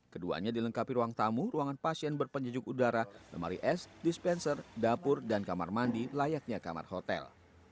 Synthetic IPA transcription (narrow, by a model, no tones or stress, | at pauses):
kədua̰ɲadiləŋkapiɾuaŋt̪amuruaŋanpasiɛnbərpəɲd͡ʒəd͡ʒʊkudaɾalə̰ma̰ɾiʔɛsdispɛnsərdapʊrdankama̰rmandilajak̚ɲaka̰ma̰rhot̪ɛ̰l